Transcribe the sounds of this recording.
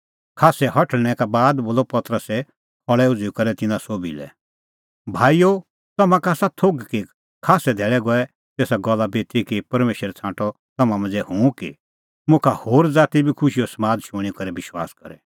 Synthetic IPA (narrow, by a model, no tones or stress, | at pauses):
kʰaːsɛhɐʈʰəɽ̃ɛkabaːd̪boːlɔpɐt̪ɾəsɛ | pʰɔɭɛʊd͡zukɐɾɛt̪ɪnãsoːbḭlɛ̰ | bʱaːijo | t̪ɐmãkaːsat̪ʰoɡki | kʰaːsɛd̪ʱɛːɭɛɡɔɛ | t̪eːsaɡɔlːabeːt̪ʰikipɐɾmeːʃəɾɛt͡sʰãːʈɔ | t̪ɐmãmɐ̃nd͡zɛhũkḭ | mʊ̃kʰahoːɾd͡zaːt̪ibʱikʰʊʃiɔsmaːd̪ʃʊ̃ikɐɾɛbɪʃwa̰ːskɐ̰ɾɛ̰